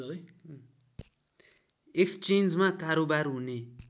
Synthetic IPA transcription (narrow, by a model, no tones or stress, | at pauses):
eksʈend͡zmakaɾobaɾɦune